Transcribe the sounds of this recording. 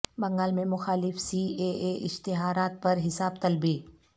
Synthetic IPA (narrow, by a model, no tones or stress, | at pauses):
bɐ̃ŋɡaːlmẽmʊxaːlɪfsiːeːeːʔɪʃt̪ɪɦaːɾaːt̪̚pɐɾɦɪsaːbt̪ɐlbiː